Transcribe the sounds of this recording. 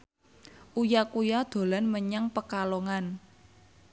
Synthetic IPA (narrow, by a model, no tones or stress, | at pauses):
ʔujakujad̪̥o̤lanməɲaŋpəkalɔŋan